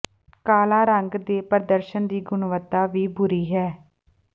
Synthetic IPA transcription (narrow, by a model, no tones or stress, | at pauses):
kaːlaːɾəŋɡd̪eːpəɾd̪əɾʃənd̪iːɡʊɳʋət̪ːaːʋiːbʊɾiːɦɛː